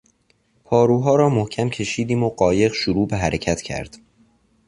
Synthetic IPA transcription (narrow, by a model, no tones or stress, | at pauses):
pʰɒːɾuːɦɒːɾɒːmohcʰæmcʰe̞ʃiːd̪iːmoɢɒːje̞ɣʃoɾuːbeɦæɾecʰæt̪cʰæ̰ɾd̪̥